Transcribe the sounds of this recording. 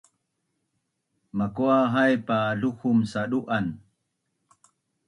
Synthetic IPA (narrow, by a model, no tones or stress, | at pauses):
makuaɦajpaɮuxumsaɗuʔan